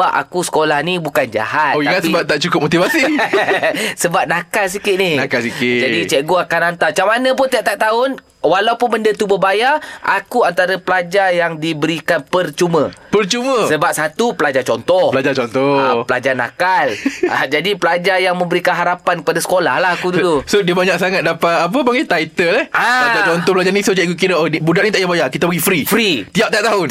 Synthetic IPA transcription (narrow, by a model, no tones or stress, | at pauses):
aʔa̰kusə̥kolahnibukand͡ʒa̰hat̪oiaŋapisəbap̚t̪ːaʔt͡ʃukʊp̚mot̪ivasi | səbap̚nakals̬ikɪt̪nɪhnakalsikɪd͡ʒadit͡ʃəʔɡoakanant̪at͡ʃamanə̃p̬ʊnt̪iaʔt̪aʔt̪aʊn | walawpʊnbəndət̪ubəbajaʔakuant̪aɾəpəlad͡ʒarjaŋdibəɾikanpərt͡ʃumə̃pərt͡ʃumə̃səbap̚sat̪upəlad͡ʒat͡ʃɔnt̪ɔhpəlad͡ʒat͡ʃɔnt̪ɔapəlad͡ʒana̰kala̰d͡ʒadipəlad͡ʒajaŋmə̃mbəɾikanɦaɾapankəpadasə̥kola̰hlahakudulusodibaɲak̚saŋat̪̚dapaap̬əbaŋat̪ait̪əlɛhalad͡ʒat͡ʃɔnt̪ɔhpəlad͡ʒanĩsod͡ʒaʔikukiɾanibudaʔ̪̚nit̪aʔjabajakit̪abəɡifɾifɾit̪iap̚t̪iap̚t̪aʊn